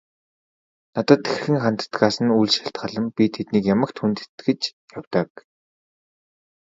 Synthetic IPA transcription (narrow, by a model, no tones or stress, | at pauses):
nat̪ə̆t̪exxɘ̆ŋχan̥t̪ə̥̆t̪ɢaːsə̆nujɮʃḁɬt̪ɢə̆ɮə̆mpʲit̪ʰet̪niːkjamə̆kt̪ʰunt̪ɘt̪ɡɘ̆t͡ɕ | jawʲt̪ə̆k